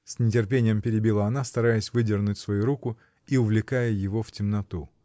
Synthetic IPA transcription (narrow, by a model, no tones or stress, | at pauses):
sʲnʲɪt̬ʲɪrpʲenʲɪjəmpʲɪɾʲɪbʲilˠaɐnast̪ɐɾajəsʲvɨdʲɪrnʊtʲsvɐjuɾukʊ | iʊvlʲɪkajəjɪvo̞ftʲɪmnɐt̪u